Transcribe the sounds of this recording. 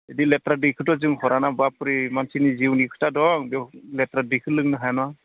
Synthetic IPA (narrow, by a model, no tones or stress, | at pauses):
ediletɾadikʰɯtɔzɯŋhɔɾanabapɾimansiniziwnikʰɯ̥tadɔŋbɔletɾadikʰɯlɯŋnɯɦajnɔa